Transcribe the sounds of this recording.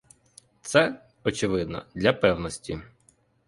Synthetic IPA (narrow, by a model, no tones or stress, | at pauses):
t̪sɛ | ɔt͡ʃɪʋɪd̪nɔ̰d̪lʲɐpɛwnɔsʲtʲi